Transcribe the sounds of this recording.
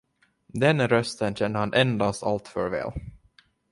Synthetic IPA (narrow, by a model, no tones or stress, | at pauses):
d̪ɛnɾœst̪ənɕɛnd̪əhanʔɛnd̪ast̪alt̪fœɾvɛ̰ːl